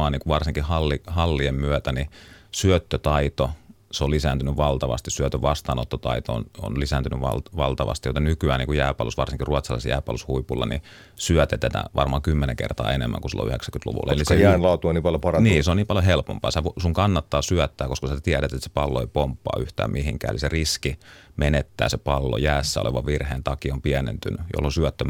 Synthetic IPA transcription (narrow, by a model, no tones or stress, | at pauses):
ɑːniːŋkuʋɑrsiŋkihɑlːihɑlːiemmyøt̪ænisyøt̪ːøt̪ɑit̪oseolisæːnt̪ynyʋʋɑlt̪ɑʋɑ̰st̪issyøt̪øʋʋɑst̪ɑːnot̪ːot̪ɑit̪oo̰no̰nlisæːnt̪ynyʋɑ̰lʋɑlt̪ɑʋɑ̰st̪ijot̪enykyæːniːŋkujæːpɑ̰lusʋɑrsiŋkiruɑt̪sɑlɑ̰ˑsjæ̰ːpɑ̰lushuipulːɑ̰nḭ | syœt̪et̪æt̪æ̰ʋɑrmɑːŋkymːeneŋkḛrt̪ɑ̰ːenemːæ̰ŋkusḭlːo̰y̰heksæŋkyt̪lṵʋṵlːɑelissejæːnlɑut̪uoniːpɑljopɑrɑniːseoniːmpɑljohelpo̰mpɑːsæʋsuŋkɑnːɑt̪ːɑːsyœt̪ːæːkoskɑsæt̪iæɾæt̪et̪ːse̥pɑlːoeipompːɑ̰ːyht̪æ̰ːmmʔihiŋkæ̰ːḛliseriskimenet̪ːæ̰ːsepɑlːo̰jæːsːæo̰lḛʋɑʋʋirheːnt̪ɑkiompiænḛnt̪ynyjo̰lːosyœt̪ːøm